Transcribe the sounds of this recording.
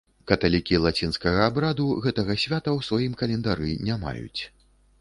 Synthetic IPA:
kɐt̪alʲikʲilˠat͡sʲinskɐɣɐːbɾad̪uɣɛt̪ɐɣɐsʲvʲat̪ɐwsvajimkɐlʲɛnd̪aɾɨnʲama̰jṵt͡sʲ

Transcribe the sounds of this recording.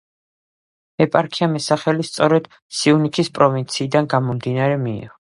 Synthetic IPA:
ɛpʼaɾkʰiamɛsaχɛlist̪sʼɔɾɛd̪̥ | siunikʰispʼɾɔvint̪sʰiːd̪anɡamɔmd̪inaɾɛmḭːʁɔ

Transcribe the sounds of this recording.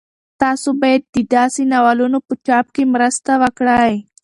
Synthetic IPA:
t̪aːsobajad̪̚ːid̪aːsinawalunopət͡ʃap̚kemɾəst̪awəkɽaj

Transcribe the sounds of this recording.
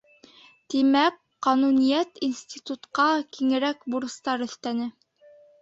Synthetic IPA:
t̪imæk | qɑnunijæt̪insʲt̪ʲit̪ut̪qɑkiŋɘ̆ɾækbuɾɤ̆st̪ɑɾɵ̆θt̪ænɘ

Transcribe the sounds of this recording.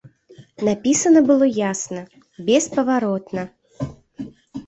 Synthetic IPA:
napʲisɐnɐbɨlˠɔjasnɐ | bʲɛspɐvaɾɔt̪nɐ

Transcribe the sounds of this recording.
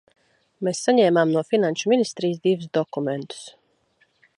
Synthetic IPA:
meːsːaɲɛːmamnuɔfinanʲʃuminist̪ɾiːjzd̪ivusd̪ɔkument̪u̥s

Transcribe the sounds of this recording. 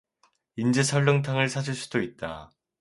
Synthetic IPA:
ind͡ʑesʰʌɭːoŋtʰaŋɯɭsʰad͡ʑiɭs͈udoit̚t͈a̰

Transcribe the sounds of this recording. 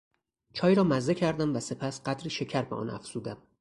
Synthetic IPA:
t͡ʃʰɒːjɾɒːmæze̞cʰæɾd̪æmvæse̞pʰæsɢæd̪ɾiːʃe̞cʰæɾbeʔɒ̰ːnʔæ̰fz̥uːd̪æm

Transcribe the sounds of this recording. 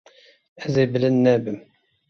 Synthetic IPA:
æzæjblənːæbəm

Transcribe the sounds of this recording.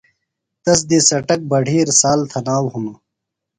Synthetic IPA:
t̪ɐs̬d̪isɐʈɐk̚bɐɖʱiːɾsaːlt̪ʰɐnaːwɦunu

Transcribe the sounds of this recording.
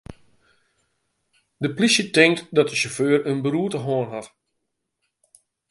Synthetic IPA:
dəplisjətɪŋtdɔt̚dəʃoføːərənbəruətəɦoənɦat

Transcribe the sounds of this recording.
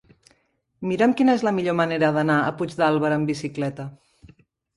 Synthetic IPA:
miɾəmkinəezləmiʎoməneɾəðənaə̰pud͡ʒd̪alˠβəɾəmbisiklɛt̪ə

